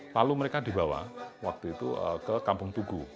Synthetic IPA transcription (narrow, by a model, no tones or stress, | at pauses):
laluməɾekad̪i̤bawa̰wak̚t̪uit̪ṵəkəkampʊŋt̪uɡu